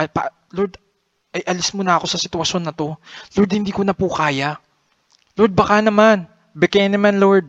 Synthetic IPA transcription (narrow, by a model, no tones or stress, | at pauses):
ɐpɐ̰ | loɾd̪ | ʔɐjʔɐlɪsmʊnɐɐko̞sɐsɪt̪ʊɐʃo̞nːɐt̪o̞loɾd̪̚hɪnd̪iːkonɐpuːkaːja | loɾd̪̚bɐkanɐman | bɛkɛnɐmanloɹd̪̚